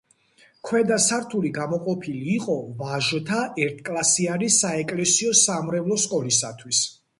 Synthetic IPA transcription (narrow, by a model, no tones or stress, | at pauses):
kʰwɛd̪asaɾt̪ʰuliɡamɔqʼɔpʰiliːqʼɔvaʒɔt̪ʰaʔɛɾt̪ʰkʼlˠasiaɾisaɛkʼlɛsiɔsamɾɛvlˠɔskʼɔlisat̪ʰwis